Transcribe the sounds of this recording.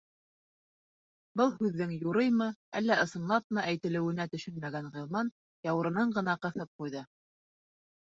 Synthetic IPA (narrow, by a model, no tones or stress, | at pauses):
bɤlˠhʉðːɘŋjuɾɤjmɤæ̰lːæʔɤ̆sɤ̆nlˠɑp̚nɤʔæjt̪ɘ̆lɘ̆wɘ̆næt̪ɵ̆ʃɵnmæɡænʁŏlˠmɑn | jɑwɤ̆ɾɤ̆nɤɴɢɤ̆nɑqɤ̆θɤp̚qujðɤ